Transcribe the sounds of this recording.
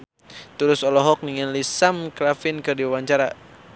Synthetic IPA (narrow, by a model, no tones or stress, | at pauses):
t̪uɾʊsɔlɔɦɔk̚niŋanlisamkɾafɪnkɨrdiwawaɲt͡ʃaɾa